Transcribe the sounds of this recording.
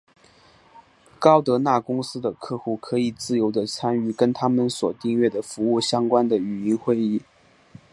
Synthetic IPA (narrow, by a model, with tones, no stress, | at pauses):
kɑ˥ʊt̪ɤ˧˥na˥˩kʊ˥ŋsɹ̩˥d̪ə˨kʰɤ˥˧xu˥˩kʰɤ˧˥i˨˩t͡sɹ̩˥˩jo˧˥ʊd̪ə˧t͡sʰa˥ny˥˩kə˥nt̪ʰa˥mə˨nswɔ˨˩t̪i˥˧ŋɥɛ˥˩d̪ə˩fu˧˥u˥˩ɕjɑ˥ŋkwa˥nd̪ə˨y˨˩i˧˥ŋxwe˥˧ɪi˥˩